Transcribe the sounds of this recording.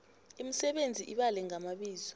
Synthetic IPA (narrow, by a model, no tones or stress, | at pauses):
imisɛɓend͡zʱiʔiɓalɛŋamaɓiːzɔ̥